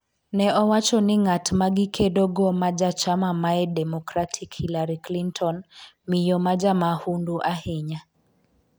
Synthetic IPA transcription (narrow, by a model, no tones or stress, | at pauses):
nɛɔwat͡ʃɔnɪŋatmaɡikʰedɔɡɔmad͡ʒat͡ʃamamaɛdɛmɔkɾatʰikhilaɾiklintʰɔn | mijɔmad͡ʒamahunduʔahɪɲa